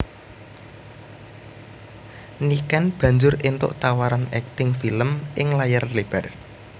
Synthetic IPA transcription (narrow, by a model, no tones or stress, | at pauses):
nikanb̥ä̤ɲd͡ʒʊɾint̪ʊ̰ʔt̪awaɾanɛk̚t̪ɪŋfiləmʔɪŋlajarleb̥ar